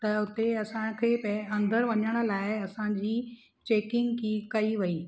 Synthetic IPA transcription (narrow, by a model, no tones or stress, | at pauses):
t̪ɐʊt̪eɐsãkʰepeɐ̃nd̪əɾʋɐɲəɽ̃ə̆laːɪɐsãd͡ʑiː | t͡ɕeːkɪ̃ŋɡkiːkɐiʋɐiː